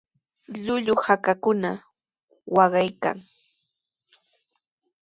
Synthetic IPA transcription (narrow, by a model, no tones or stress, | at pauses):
ʎʊʎʊhakakʊna | wɑɢɑjka̰ŋ